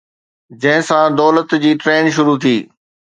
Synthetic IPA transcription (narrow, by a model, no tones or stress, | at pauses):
d͡ʑɐ̃ɦɪ̃sãd̪ɔːlət̪d͡ʑiːʈɾeːnʃʊɾut̪ʰiː